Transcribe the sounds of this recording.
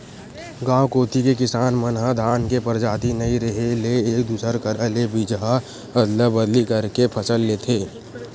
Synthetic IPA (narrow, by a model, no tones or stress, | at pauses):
ɡãːwkoːt̪ikekɪsaːnmənɦad̪ʱaːnkepəɾd͡ʒaːt̪inəĩɾəɦeleeːkd̪uːsəɾkəɾəlebid͡ʒɦa | əd̪ləbəd̪likəɾkepʰəsəlːeːt̪ʰeː